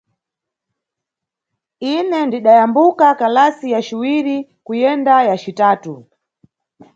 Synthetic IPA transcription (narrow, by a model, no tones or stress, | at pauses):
inɛndiɗajambukakalasijaʃiwiɾikujɛndajat͡ʃitaːtu